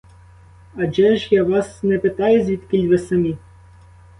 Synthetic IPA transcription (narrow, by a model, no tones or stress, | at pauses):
ɐd͡ʒɛʒjɑʋɑsnɛpɪt̪ɑjʊzʲʋʲid̪kʲilʲʋɪsɐmʲi